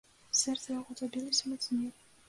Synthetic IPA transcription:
sɛɾt̪ʰɾaʁɔzʼɔbilismɛt̪sʰniɛɾi

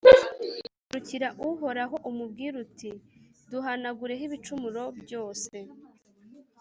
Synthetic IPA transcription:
ɾuciɾaʔuɦo̞ɾaɦo̞ʔumubɡiːɾutiduɦanaɡuɾe̞ɦiβit͡ʃumuɾo̞bjo̞ːse̞

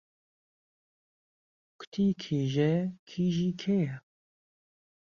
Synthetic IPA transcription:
kʰʊ̥t̪ʰiːkʰeːʒɛkʰiːʒiːkʰeja

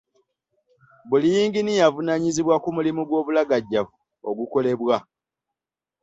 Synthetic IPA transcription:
bulijiːŋɡinijavunaɲiziβwakumulimuɡwo̞ːβulaɡaɟːavu | oɡuko̞le̞βwa

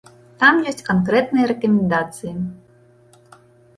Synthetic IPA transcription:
t̪amjɔsʲtʲkɐnkɾɛt̪nɨjɐɾɛkɐmʲɛnd̪at̪sɨji

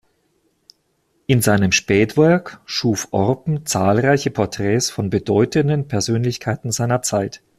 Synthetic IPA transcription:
ʔɪnzaɪnəmʃpɛːtv̥ɛɐkʃuːfʔɔʁpm̩t͡saːlʁaɪçəpʰɔɐtʁ̥ɛːsfɔnbədɔʏtəndənpʰɛɐzøːnlɪçkʰaɪtn̩zaɪnɐt͡saɪt

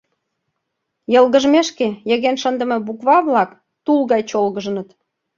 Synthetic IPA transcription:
jɤlɣə̆ʒmeʃkejeɣenʃənd̪ə̆mɤ̆bukβɑβlɑk | t̪ulɣɑjt͡ɕolɣəʒnə̆t̪

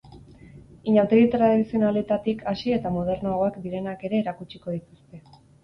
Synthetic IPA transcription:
iɲawt̪eɣit̪ɾaðisio̞nalit̪at̪ikʰasie̞t̪amoð̞e̞ɾnoaɣo̞akd̪iɾe̞nake̞ɾe̞ːɾakut͡ʃiko̞ð̞it̪ust̪e̞

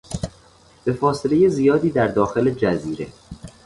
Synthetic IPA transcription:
b̥e̞fɒːse̞le̞je̞zijɒːd̪iːd̪æɾd̪ɒːxe̞led͡ʒæziːɾe

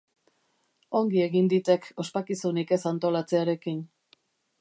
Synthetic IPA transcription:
o̞ŋɡie̞ɣind̪it̪e̞kʰo̞spakisunike̞sant̪o̞lat͡se̞aɾe̞kin

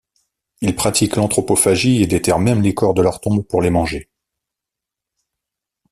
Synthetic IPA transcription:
ilpχat̪iklɑ̃t̪χɔpofaʒied̪et̪ɛʁmɛmlekɔʁd̪əlœʁt̪ɔ̃bpuʁlemɑ̃ʒe

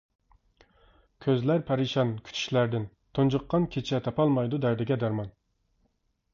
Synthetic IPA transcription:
kʲʰøzlæɾpʰɛɾiʃɑnkʲʰy̥t͡ʃ̪ʰy̥ʃlæɾd̪ɪn | t̪ʰond͡ʒɨqːɑnkʲʰet͡ʃʰɛt̪ʰɑpʰɑlˠmɑjd̪ud̪æɾd̪ɪɡʲɛd̪æɾmɑn

